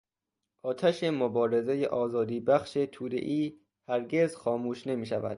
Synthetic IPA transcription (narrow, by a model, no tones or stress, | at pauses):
ʔɒːt̪ʰæʃemobɒːɾe̞zejḛʔɒːzɒːd̪iːbæxʃet̪ʰuːd̪ḛʔiː | hæɾɡe̞zxɒːmuːʃne̞miːʃævæ̰d̪̥